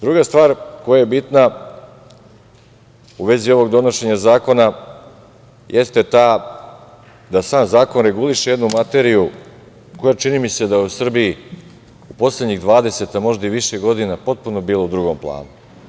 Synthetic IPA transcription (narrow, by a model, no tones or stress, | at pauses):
d̪ɾuɡast̪ʋaːɾko̞jajebit̪na | uʋe̞zio̞ʋo̞ɡd̪o̞no̞ʃe̞ɲazaːko̞na | jʔe̞st̪e̞t̪aː | d̪asaːmzaːko̞nɾe̞ɡuliʃeje̞d̪numat̪e̞ɾiju | ko̞jat͡ʃinimise̞d̪aje̞usr̩bii | upo̞slʲe̞d̪ɲiɣd̪ʋaːd̪e̞se̞t̪amo̞ʒd̪aiʋiʃeɡo̞d̪inapo̞t̪̚puno̞biːlˠo̞ud̪ɾuɡo̞mplˠa̰ːnu